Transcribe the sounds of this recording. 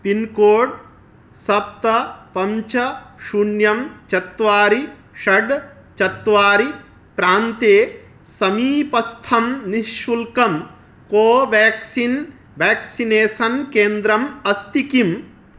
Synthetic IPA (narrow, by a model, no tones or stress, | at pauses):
pinkoːɖ | sɐp̚t̪ɐpɐmt͡ʃɐʃuɳjɐmt͡ʃɐt̪ʋaːɾi | ʃɐɖ | t͡ʃɐt̪ʋaːɾi | pɾaːnt̪eː | sɐmiːpɐst̪ʰɐmniʃʋulkɐm | koːʋaːksin | ʋaːksineːsɐnkeːnd̪ɾɐmɐst̪ikim